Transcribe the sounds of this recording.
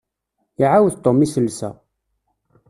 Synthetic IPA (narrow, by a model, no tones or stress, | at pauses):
ʕawðt̪ˤomisəlːsæ̰